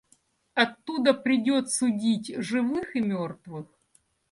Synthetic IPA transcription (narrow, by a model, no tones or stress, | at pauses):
ɐt̪ːud̪əpɾʲɪdʲot̪sʊdʲitʲʐɨvɨxɨmʲort̪vɨx